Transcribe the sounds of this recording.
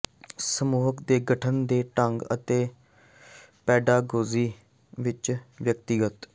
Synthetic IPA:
səmuːɦəkd̪eːɡəʈʰənd̪eːʈəŋɡə̰t̪eː | pɛːɖaːɡoːziː | ʋɪt͡ʃʋjək̚t̪ɪɡət̪

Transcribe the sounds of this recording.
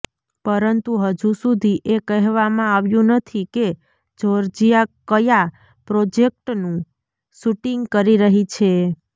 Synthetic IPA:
pəɾənt̪uɦəd͡ʒusud̪ʱiʔekəɦʋamãaʋjũnət̪ʰike | d͡ʒʱoɾd͡ʒijakəja | pɾod͡ʒek̚ʈnũ | suʈiŋɡkəɾiɾəɦit͡ʃʰe

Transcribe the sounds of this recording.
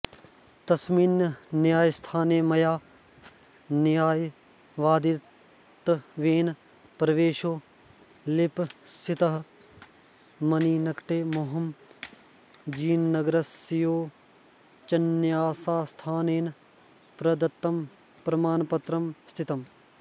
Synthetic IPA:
t̪ɐsmiːnnjaːjst̪ʰaːneːmɐjaː | njaːj | ʋaːd̪i | t̪ʋeːn | pɾɐʋeːʃoː | lɪpsʰit̪ɐɦ | mɐniːnɐkʈeːmoːɦɐm | d͡ʒiːnːɐɡɾɐsijoː | t͡ʃɐnjaːsaːst̪ʰaːneːn | pɾɐd̪ɐt̪ːɐm | pɾɐmaːnpɐt̪ɾɐmst̪ʰit̪ɐm

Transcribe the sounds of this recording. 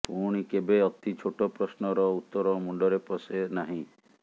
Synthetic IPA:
puɽ̃ikebeɔt̪it͡ʃʰoʈɔpɾɔsnɔɾɔut̪ːɔɾɔmuɳɖɔɾepɔsenaɦĩ

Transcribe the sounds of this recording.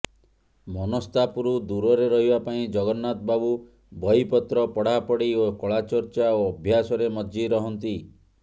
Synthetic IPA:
mɔnɔst̪apuɾud̪uɾɔɾeɾɔɦibapaĩd͡ʒɔɡɔnːat̪babu | bɔipɔt̪ɾɔpɔɽ̤apɔɽiokɔɭat͡ʃɔɾt͡ʃaoɔbʱjasɔɾemɔd͡ʒiɾɔɦɔnt̪i

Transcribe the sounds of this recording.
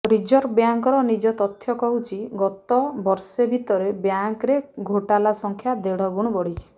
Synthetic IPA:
ɾid͡ʒɔɾbjaŋkɔɾɔnid͡ʒɔt̪ɔt̪ʰːjɔkɔɦut͡ʃʰiɡɔt̪ɔbɔɾsebʱit̪ɔɾebjaŋkɾeɡʱoʈalasɔŋkʰjad̪eɽ̤ɔɡuɽ̃ɔbɔɽ̤it͡ʃʰi̥

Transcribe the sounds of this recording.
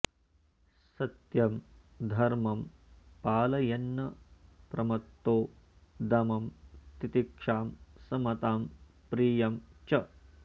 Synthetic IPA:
sɐt̪jɐm | d̪ʱɐɾmɐm | paːlɐjɐnːɐpɾɐmɐt̪ːoː | d̪ɐmɐmt̪it̪ikʂaːmsɐmɐt̪aːm | pɾiːjɐmt͡ʃɐ

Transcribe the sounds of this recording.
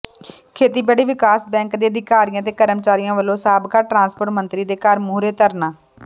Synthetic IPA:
kʰeːt̪iːbɛːɽiːʋɪkaːsbɛ̃ːŋkd̪eːəd̪ɪkaːɾijãːt̪̬eːkəɾəmt͡ʃaːɾiːjãːʋəlːõːsaːbkaːʈɾãːnspoːʈmənt̪ɾiːd̪eːkəɾmuːɾeːt̪əɾnaː

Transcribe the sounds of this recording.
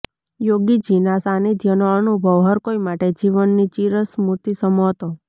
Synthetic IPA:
joɡid͡ʒinasanid̪ʱjənoənubʱəʋɦəɾkoimaʈed͡ʒiʋənːit͡ʃiɾəsmut̪isəmot̪o

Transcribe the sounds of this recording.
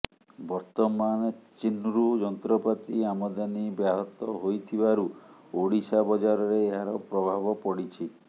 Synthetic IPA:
bɔɾt̪ɔmant͡ʃinuɾud͡ʒɔnt̪ɾɔpat̪iamɔd̪anibjaɦɔt̪ɔɦojt̪ʰibaɾuoɽisabɔd͡ʒaɾɔɾeːɦaɾɔpɾɔbʱabɔpɔɽit͡ʃʰi

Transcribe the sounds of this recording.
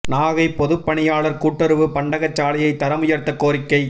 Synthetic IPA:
naːɣɐɪpːɔðɯpːɐɳɪjaːɭɐɾkuːʈːɐɾɯʋɯpɐɳɖɐɣɐt͡ʃːaːlɐjɐɪt̪ːɐɾɐmʊjɐɾt̪ːɐkːoːɾɪkːɐɪ

